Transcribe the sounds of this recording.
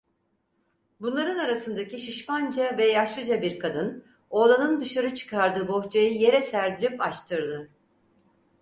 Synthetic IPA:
bunlˠaɾɯnaɾasɯnd̪acʰiʃiʃpand͡ʒavɛjaʃlˠɯd͡ʒabiɾkʰad̪ɯn | o̞lˠanɯnd̪ɯʃaɾɯt͡ʃʰɯ̥kʰaɾd̪ɯːbo̞ht͡ʃʰajɯje̞ɾɛsæɾd̪ilʲipat͡ʃt̪ʰɯɾd̪ɯ

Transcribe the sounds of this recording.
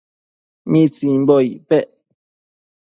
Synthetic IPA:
mĩt͡sim̩bɔiʔpɛʔ

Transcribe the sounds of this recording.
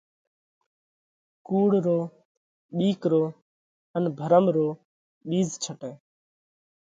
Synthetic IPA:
kuːɽɾoː | ɓiːkɾoː | ənbʱəɾəmɾoː | ɓiːzt͡ʃʰəʈeː

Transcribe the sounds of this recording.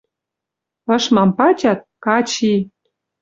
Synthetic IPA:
ɤ̆ʃmɑmpɑt͡ɕɑt̪̚kɑt͡ɕi

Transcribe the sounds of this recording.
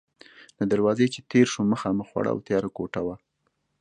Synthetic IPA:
lad̪aɾwɑzet͡ʃet̪eɾʃoməxɑməxwa̰ɽa̰wt̪jɑɾakoʈawa

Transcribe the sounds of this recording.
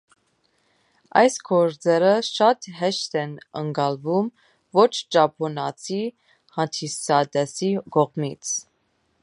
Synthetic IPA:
ɑ̰jsɡʰɔɾd͡zɛɾəʃɑt̪ɦɛʃt̪ʰɛnəŋkɑlvum | vɔt͡ʃʰd͡ʒɑpʰɔnɑt͡sʰi | hɑnt̪ʰisɑd̪ɛsiɡɔʁmit͡sʰ

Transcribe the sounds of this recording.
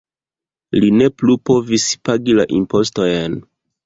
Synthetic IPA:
line̞plupo̞vispaɡilaʔimpo̞sto̞jen

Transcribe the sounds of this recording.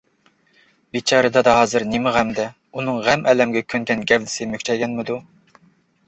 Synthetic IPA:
bit͡ʃʰɑːɾɨd̪ɑd̪ɑɦɑːzɨɾnɪmɪʁæmɪd̪ɛ | unɨŋʁæmʔɛːlɛmɡʲɛkʲʰønkʲʰɛnɡʲɛvd̪ɪ̥sɪmøkʲt͡ʃʰɛjɡʲɛnmɪd̪u

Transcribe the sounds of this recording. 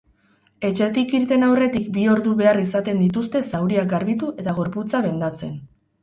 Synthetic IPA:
e̞t͡ʃe̞t̪ikiɾt̪e̞nawre̞t̪ikbio̞ɾðuβe̞arisat̪e̞nd̪it̪ust̪e̞sawɾiak̚ɡaɾβit̪uʔe̞t̪aɣ̞o̞ɾput͡saβe̞nd̪at͡se̞̰n

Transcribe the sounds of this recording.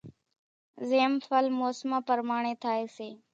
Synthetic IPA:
zeːmfəlmoːsmãːpəɾmaːɳeːt̪ʰaːeːseː

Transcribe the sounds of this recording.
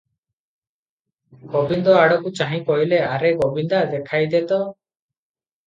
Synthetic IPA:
ɡ̥ɔbind̪ɔaɽɔkut͡ʃaɦĩkɔɦileaɾɛɡɔbind̪ad̪ɛkʰajd̪ɛt̪ɔ

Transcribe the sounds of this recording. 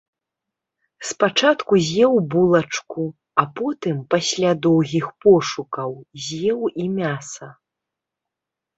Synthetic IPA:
spat͡ʂat̪kuzʲjɛwbulˠɐt͡ʂku | apɔt̪ɨmpasʲlʲad̪ɔwɣʲixpɔʂukɐwzʲjɛwimʲasɐ

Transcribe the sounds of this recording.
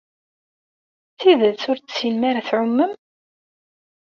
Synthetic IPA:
θiðət͡sʊɾt͡st͡sːjənmæɾaθʕʊmːəm

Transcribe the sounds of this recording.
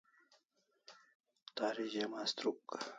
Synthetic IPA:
t̪aːɾiʑemast̪ɾuk

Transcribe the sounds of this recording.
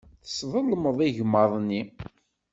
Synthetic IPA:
θə̥sðˤəlːməðˤiʝməðˤnːi

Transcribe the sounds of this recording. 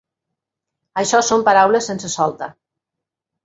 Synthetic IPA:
aʃɔsompaɾawləsːensesɔlˠt̪a

